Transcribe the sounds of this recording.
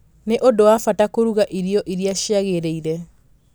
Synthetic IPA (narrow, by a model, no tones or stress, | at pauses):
neʔodowafatakoɾuɣaʔiɾiɔʔiɾiaʃaɣeɾeiɾɛ